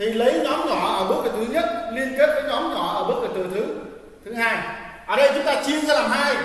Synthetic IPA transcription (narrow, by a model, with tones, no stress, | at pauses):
t̪ʰi˨˩lə˨˦jɲɔ˨˦mɲ˧ɔ˨˩ɔ̰˨˩ʔəː˧˩ɓə˦˥t̚kɨ˨˩t̪ɨ˨˦ɲə˦˥t̚li˧ənke˦˥t̚vəː˨˦jɲɔ˨˦mɲ˧˨˩ʔəː˧˩ɓə˦˥t̚ə˨˩t̪ɨ˨˩t̪ʰɨ˨˦ | t̪ʰɨ˨˦ɦaː˧jʔəː˨˩ɗə˧jt͡ɕʊ˨˦ŋ͡mt̪aː˧t͡ɕi˧əŋsɛ˧laː˨˩mhaː˧j